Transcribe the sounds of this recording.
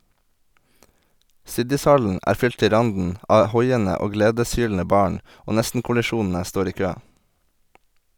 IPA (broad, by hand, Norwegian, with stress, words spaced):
ˈsɪdɪsˌhɑln̩ ˈæːɾ ˈfʏl ˈtɪ ˈɾɑndn̩ ˈʔɑː ˈhɔʏənə ˈoː ˈɡleːdəsˌhyːln̩ə ˈbɑːɳ ˈoː ˈnɛstn̩kʊlɪˌʃuːnn̩ə ˈstoːɾ ˈiː ˈkøː